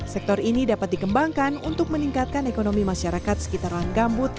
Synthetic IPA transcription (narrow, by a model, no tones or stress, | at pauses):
sɛk̚t̪ɔrinidapat̪̚dikəmbaŋkanunt̪ʊk̚məniŋkat̪̚kanekonomimaʃaɾakat̪̚sə̥kit̪arlaŋɡambʊt̪̚